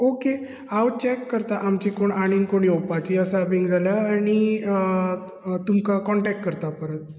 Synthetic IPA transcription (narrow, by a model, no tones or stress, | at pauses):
oke | awt͡ɕɛkːəɾt̪aʔamt͡ɕikoɳaɽ̃inkoɽ̃iopat͡ɕiəsaʋiŋɡd͡zʱaljaːɽ̃i | t̪umkakɔɳʈɛk̚ʈkəɾt̪apəɾə̃t̪